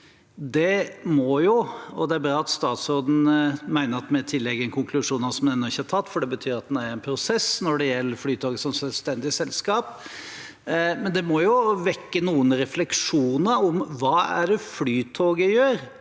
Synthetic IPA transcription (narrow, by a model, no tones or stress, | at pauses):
d̪ɛmɔjʊɔd̪ɛæɾbɾɑːɑt̪st̪ɑːt̪soːd̪n̩mæɪnəɾɑt̪mɛt̪ʰɪlːɛɡːənkʰʊŋkʰlʉʂuːnɑsɔmd̪ɛnːɔɪçːəhɑtʰɑt̪ːfɔɖɛbət̪ʰyːɾɑt̪̚d̪æɾɛɪnpʰɾʊsɛsnɔɖɛjɛlːəɾflyːt̪ʰoːɡəsɔmsœlst̪ɛnd̪ɪsɛlskɑːp | mɛnd̪ɛmɔjʊʋɛkːənuːənɾɛflɛkʂuːnəɾɔmʋɑːæ̰ɖɛflyːt̪ʰoːɡəjøːɾ